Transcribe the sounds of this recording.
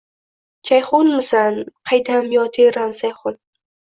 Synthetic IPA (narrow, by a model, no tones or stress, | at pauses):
t͡ʃʰajχonmɨzanqʰajd̪amjɔt̪ʰeɾanzajχon